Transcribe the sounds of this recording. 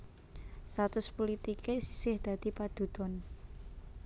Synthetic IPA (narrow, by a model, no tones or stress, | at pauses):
st̪at̪ʊspolit̪ikesi̥sɪhd̪̥ä̤d̪̥i̤pad̪̥ṳd̪̥ɔn